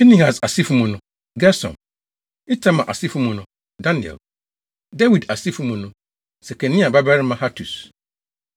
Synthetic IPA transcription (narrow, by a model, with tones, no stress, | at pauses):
i˦nĩ˦ha˨sa˨si˦fu˦mũ˨nʊ̃˨ | ɡɛ˦sɔ̰̃˨n | ɪ˦tʰa˦mã̰˨ʔa̰˨si˦fũ˦mũ˨nʊ̃˨ | dã˦nɪ̃˨ɛ̰˨l | da˦wi˨da˨si˦fũ˦˨mũ˨nʊ̃˦ | sɛ˨kʰɛ̃˨nĩ˦a˨ba˦ba˦ɾɪ˦mã˨ha˦tʰu˨s